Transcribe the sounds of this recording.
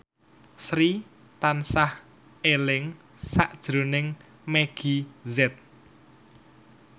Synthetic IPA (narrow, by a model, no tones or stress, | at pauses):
sɾi | t̪ansah | elɪŋ | saʔd̥ʒ̥ɾo̤nɪŋ | meɡ̥izɛt̪̚